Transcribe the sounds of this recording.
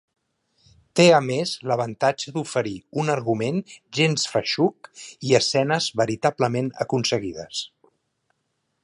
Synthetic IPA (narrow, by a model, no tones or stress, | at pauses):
t̪eəmezləβ̞ənt̪ad͡ʒəðufəɾiunəɾɣumenʒensfəʃukiəsɛnəzβəɾit̪abləmenəkunsəɣiðə̰s